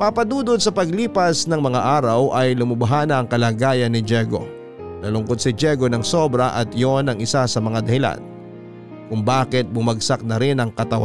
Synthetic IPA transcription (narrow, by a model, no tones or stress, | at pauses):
papɐd̪uːd̪od̪̚sɐpɐɡ̚liːpɐsnɐŋmɐŋaʔaːɾɐwʔɐjlʊmɐbɐɦaːnɐʔɐŋkɐlaːɡaːjɐnːɪd͡ʒɛɡo̞̰ | nɐlʊŋkod̪̚sɪd͡ʒɛɡonɐŋsobɾɐʔɐt̪ɪjonɐŋɪsasɐmɐŋad̪ɐhɪla̰n | kʊŋbaːkɪt̪̚bʊmɐɡsak̚nɐɾɪnɐŋkɐt̪ɐwa